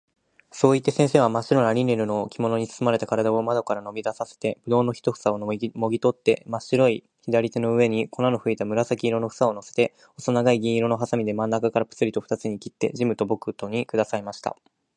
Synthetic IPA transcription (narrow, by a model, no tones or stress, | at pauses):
so̞ːit̪ːe̞sẽ̞ɰ̃se̞ːβ̞amaɕiɾo̞naɾʲinːe̞ɾɯ̟no̞kʲʰimo̞no̞ɲ̟isɨ̥sɨmaɾe̞t̪akaɾad̪ao̞mad̪o̞kaɾano̞mʲid̪asase̞̥t̪e̞b̥ɯ̟d̪o̞ːno̞çi̥t̪o̞ɸɯ̟̥saomo̞ɡʲit̪o̞t̪ːe̞maɕiɾo̞i | çid̪aɾʲit̪e̞no̞ɯ̟e̞ɲ̟iko̞nano̞ɸɯ̟it̪amɯ̟ɾasakʲiːɾo̞no̞ɸɯ̟̥sao̞no̞se̞̥t̪e̞ | osonaɡaiɡʲĩɰ̃iɾo̞no̞ɦasamʲid̪e̞mãnːakakaɾapɯ̟̥t͡sɨɾʲit̪o̞ɸɯ̟̥t̪at͡sɨɲ̟ikʲi̥t̪ːe̞̰ʑimɯ̟t̪o̞bo̞kɯ̟t̪o̞ɲ̟ikɯ̟d̪asaimaɕi̥t̪a̰